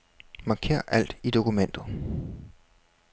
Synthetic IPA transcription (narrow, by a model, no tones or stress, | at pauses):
mɑ̈kʰe̝̰ɐ̰ʔæl̰d̥id̥o̝kumen̰d̥ð̩ˠ